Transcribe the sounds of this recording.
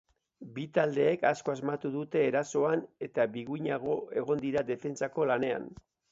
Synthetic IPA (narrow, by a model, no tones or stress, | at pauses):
bit̪ald̪e̞ːkasko̞azmat̪uðut̪e̞ːɾaso̞ane̞t̪aβiɣuɲaɣ̞o̞e̞ɣ̞o̞nd̪iɾad̪e̞fe̞nt͡sako̞lane̞a̰n